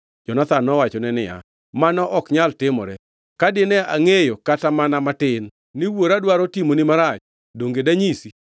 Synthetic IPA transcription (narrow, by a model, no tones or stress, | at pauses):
d͡ʒɔnat̪anɔwat͡ʃɔnɛnɪ̰ja̰ | manɔʔɔkɲaltɪmɔ̰ɾɛ | kadɪnɛaŋejokatamanamatɪnː | ɪwoɾadwaɾɔtimonɪmaɾat͡ʃ | doŋɡedaɲisi